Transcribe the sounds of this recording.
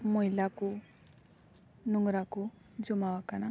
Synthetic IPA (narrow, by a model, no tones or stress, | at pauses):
mɔilako | nɔŋɡɾako | d͡ʒɔmawakana